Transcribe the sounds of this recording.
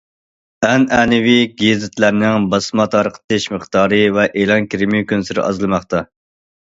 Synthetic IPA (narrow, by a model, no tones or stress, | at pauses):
ɛnɛnɪviɡʲezɪt̪ʰlæɾnɪŋbɑsmɑt̪ɑɾqʰə̥t̪ʰɪʃməχt̪ɑːɾɨvɛʔelˠɑnkʲiɾɪmijkʲønsɪɾɪ̰ʔɑ̰zlˠɨmɑχt̪ʰɑ